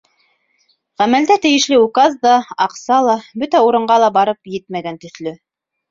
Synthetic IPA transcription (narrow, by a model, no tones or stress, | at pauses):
ʁæmæld̪æt̪ɘ̆jɘ̆ʃlɘukɑzd̪ɑɑqsɑlˠɑbɵt̪æuɾɤ̆ɴɢɑlˠɑbɑɾɤpjɘt̪̚mæɡænt̪ɵ̆θlɵ